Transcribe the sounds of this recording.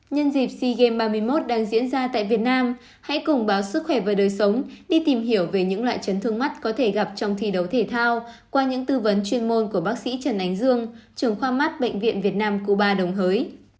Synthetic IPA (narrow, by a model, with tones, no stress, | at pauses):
ɲə˧nzi˨˩p̚si˧ɣe˧mɓaː˧mɨ˧əjmo˦˥t̚ɗaː˧ŋzḭ˧˥ənzaː˧t̪a̰ː˧˨jvi˨˩ət̚naː˧m | ha̰˧˥jkʊ˨˩ŋ͡mɓaː˨˦wsɨ˦˥k̚xwɛ˧˩vaː˨˩ɗəː˨˩jsə˨˦wŋ͡mɗi˧t̪i˨˩mɦi˧˩əwve˨˩ɲɨ̰˧˥ŋla̰ː˧˨jt͡ɕə˨˦nt̪ʰɨ˧əŋma˦˥t̚kɔ˨˦t̪ʰe˧˩ɣa˨˩p̚t͡ɕɔ˧wŋ͡mt̪ʰi˨˩ɗə˨˦wt̪ʰe˧˩t̪ʰaː˧w | kwaː˧ɲɨ̰˧˥ŋt̪ɨ˧və˨˦nt͡ɕwi˧ənmo˧nku˧˩əɓaː˦˥k̚sḭ˧˥t͡ɕə˨˩nʔa˨˦jŋ̟zɨ˧əŋt͡ɕɨ˨˧˩əŋxwaː˧ma˦˥t̚ɓə̰˧˨jŋ̟vḭ˧˨ənvi˨˩ət̚naː˧mku˧˩ɓaː˧ɗə˨˩wŋ͡mɦəː˨˦j